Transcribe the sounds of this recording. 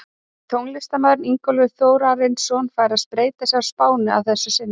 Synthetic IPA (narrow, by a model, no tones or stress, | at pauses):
t̪ʰowŋlɪst̪amœðɾniŋkɔlvʏθoːwɾaɾɪnsɔnfaːɾɪɾaðspɾeːjt̪asɛaspaːwnɪa̰wθɛsːʏsɪn